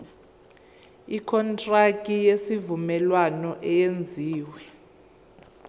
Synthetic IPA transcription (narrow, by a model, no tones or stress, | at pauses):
ikʰɔntʼrakʼijesivumɛlwanɔʔɛjend͡zʱiːwɛ